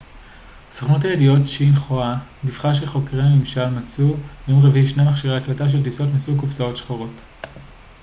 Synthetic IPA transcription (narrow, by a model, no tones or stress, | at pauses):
soχnothajedio̞tʃinχoanifχaʃ̬eχo̞kʁenimʃalmat͡sujomʁeviiʃnamaχʃiʁeaklataʃ̬eldiso̞tmisukufsao̞tʃχoʁo̞t